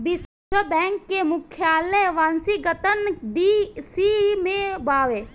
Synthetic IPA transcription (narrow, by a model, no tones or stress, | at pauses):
bis | əbɛ̃ːŋkːemʊkʰjaːləjʋãːnsiɡət̪ənd̪isimẽbaːʋeː